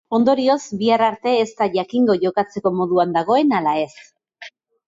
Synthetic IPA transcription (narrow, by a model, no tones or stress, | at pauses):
o̞nd̪o̞ɾio̞zbiaraɾt̪e̞ːst̪aʝakiŋɡo̞ʝo̞kat͡se̞ko̞mo̞ðuand̪aɣ̞o̞e̞nalae̞s